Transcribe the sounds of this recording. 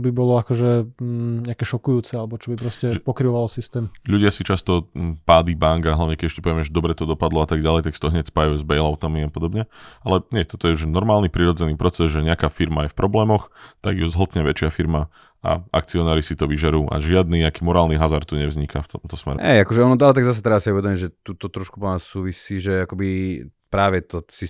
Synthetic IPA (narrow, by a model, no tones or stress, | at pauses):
t͡ʃɔbibɔlɔakɔʒɛɲɛakɛːʃɔkujuːt͡sɛalɛbɔt͡ʃɔbipɾɔscɛpɔkɾiʋɔʋalsist̪ɛːmʎuɟɪasit͡ʃast̪ɔpaːd̪ibaŋɡaɦlaʊɲɛkɛɟɛʃcɛpɔʋɛmɛʒd̪ɔbɾɛt̪ɔd̪ɔpad̪lɔat̪aɡɟalɛjt̪aksi̥t̪ɔɦɲɛcspajuzbɛjlaʊt̪amiapɔd̪ɔbɲɛalɛɲɪɛt̪ɔt̪ɔjɛuʒnɔɾmaːlnipɾiɾɔd͡zɛniːpɾɔt͡sɛzʒɛɲakaːfiɾmajɛfpɾɔblɛːmɔxt̪aɡjuzɦl̩ˠt̪ɲɛʋɛt͡ʃɪafiɾma | a̰ʔa̰k̚t͡siɔnaːɾisit̪ɔʋiʒɛɾuːʔa̰ʒɪad̪niakiːmɔɾaːlniɦazaɾt̪ːuɲɛvzɲikaft̪ɔmt̪ɔsmɛ̰ɾɛ̰ɛ̰jakɔʒɛɔnɔt̪alɛt̪̬aɡzas̬ɛt̪ɾɛbasiuʋɛd̪ɔmiɟʒɛt̪ut̪ɔt̪ɾɔʃkupɔnassuːʋisiːʒɛakɔbi | pɾaːʋɛt̪ɔsi